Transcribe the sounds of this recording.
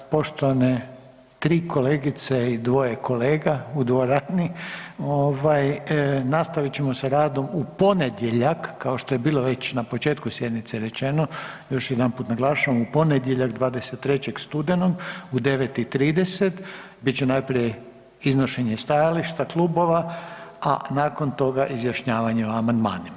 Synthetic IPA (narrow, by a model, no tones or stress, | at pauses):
po̞ʃt̪oʋane | t̪ɾiːkʰo̞leːɡit̪seid̪ʋo̞jekʰo̞leːɡaud̪ʋoɾaːd̪nioʋajnast̪aʋit͡ɕemo̞saɾaːd̪o̞mupo̞ned̪je̞ʎakːao̞ʃt̪o̞je̞biːlˠo̞ʋe̞t͡ɕnapo̞t͡ʃeːt̪kusje̞d̪nit̪seɾe̞t͡ʃe̞nojo̞ʃjed̪anpuːt̪naɡlˠaːʃaʋamupo̞ned̪je̞ʎaɡd̪ʋaːd̪eset̪ːɾe̞t͡ɕe̞ɡst̪ud̪eno̞ɡud̪e̞ʋet̪it̪ɾiːd̪e̞set̪ | bit̪t͡ɕenajpɾije | iznoʃe̞ɲe̞st̪ajaliʃt̪aklˠuːbo̞ʋaa̰naːko̞nt̪o̞ɡaʔizjaʃɲaːʋaɲeoamand̪ma̰ːnim